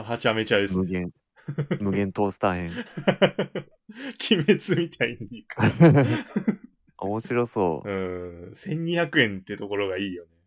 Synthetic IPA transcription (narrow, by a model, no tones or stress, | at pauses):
ɦat͡ɕame̞t͡ɕad̪esɯɡẽ | mɯ̟ɡẽ̞nt̪oːsɨ̥t̪ahẽ | kʲʰime̞t͡sɨmʲit̪ʰaint̪ejɯ̟kʰa | omoɕiɾoso̰ːɯ̟̃ːsẽ̞ɲ̟ɲiçakɯ̟ẽ̞nt̪et̪o̞ko̞ɾo̞ɡaiːjo̞ne̞